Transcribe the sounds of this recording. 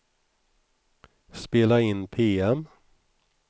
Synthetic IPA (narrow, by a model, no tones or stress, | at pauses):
speːlaɪnpʰeːɛm